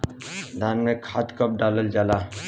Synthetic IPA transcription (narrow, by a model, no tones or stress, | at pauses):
d̪anŋəkʰat̪kəp̚ɖaləld͡ʒala